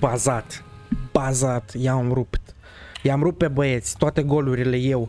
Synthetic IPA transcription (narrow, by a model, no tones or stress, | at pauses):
bazat̪b̥azat̪jamɾupt̪ | jamɾup̚pebəje̞t̪sʲt̪oat̪e̞ɡo̞luɾile̞je̞w